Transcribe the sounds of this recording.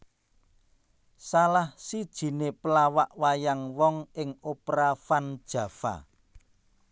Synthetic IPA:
salahsid̥ʒ̥i̤nepəlawaʔwajaŋwɔŋɪŋopɾafand̥ʒ̥ä̤fa̰

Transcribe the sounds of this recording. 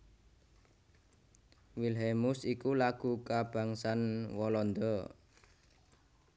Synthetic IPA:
wilɦɛmʊsikulaɡ̥ṳkab̥a̤ŋsanwɔlɔnd̪ɔ

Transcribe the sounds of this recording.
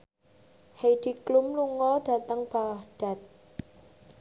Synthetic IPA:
hejɖ̥i̤klʊmluŋɔɖ̥a̤t̪əŋb̥awahɖ̥a̤t̪̚

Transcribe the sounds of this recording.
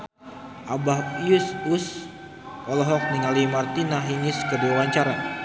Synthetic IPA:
ʔabaɦjusus | ʔɔlɔɦɔk̚niŋalimart̪inaɦiɲɪskərduawaɲt͡ʃaɾa

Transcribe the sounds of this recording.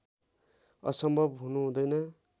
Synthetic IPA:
ʌ̰sʌmbʱʌbɦunuɦũd̪ʌjnʌ

